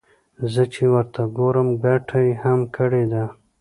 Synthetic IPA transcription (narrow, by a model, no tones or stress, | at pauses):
zət͡ʃewəɾt̪ʰaɡoɾəmɡaʈʰajhamkʰəɽed̪a